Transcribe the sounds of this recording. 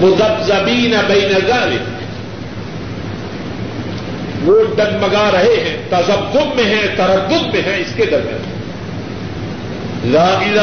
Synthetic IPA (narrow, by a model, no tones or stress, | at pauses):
mʊzɐbzɐbiːnɐbɐinɐzaːlɪ | ʋoːɖɐnmɐɡaːɾɐɦeɦɛ̃ːt̪ɐzɐbɡʊdmẽɦɛ̃t̪ɐɾɐɾd̪ʊd̪̚mẽɦɛ̃ɪsked̪ɐɾmijã̰ːn | zaːbiza